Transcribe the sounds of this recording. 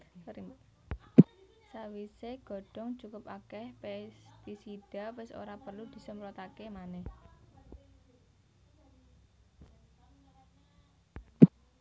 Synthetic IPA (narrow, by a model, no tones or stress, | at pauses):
sawiseɡ̥ɔ̤ɖ̥ɔ̤ŋt͡ʃukʊpakɛhpɛst̪isid̥a̤wɪso̰ɾapərlud̪̥i̤səmlot̪akemanɛh